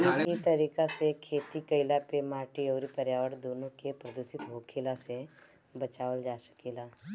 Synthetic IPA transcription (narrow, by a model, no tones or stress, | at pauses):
ikit̪əɾiːkasekʰeːt̪ikəɪlapemaːʈiɔːɾipəɾjaːʋəɽd̪oːnõkepɾəd̪uʃɪt̪ɦoːkʰeːlase | bət͡ʃaːʋəld͡ʒaːsə̥kiːlaː